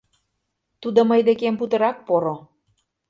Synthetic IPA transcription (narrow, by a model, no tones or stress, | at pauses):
t̪ud̪ŏməjd̪ekemput̪ɤ̆ɾɑk̚poɾo